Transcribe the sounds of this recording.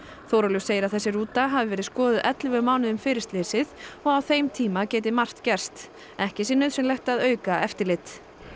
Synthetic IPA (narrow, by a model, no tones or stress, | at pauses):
θoːwɾalʏseːjɪɾaðθɛsːɪɾuːt̪aɦavɪvɛːɾɪ̥skɔːðɪðʔɛt̪lvʏmaːwnɪðʏmfɪːɾɪst̪lɪsɪðɔɣawθejmt̪ʰiːmaceːjt̪ɪmar̥t̪cɛr̥st̪ | ɛhcɪsɪnːʏðsɛmlɛjht̪aðœːɥkaɛft̪ɪɾlɪt̪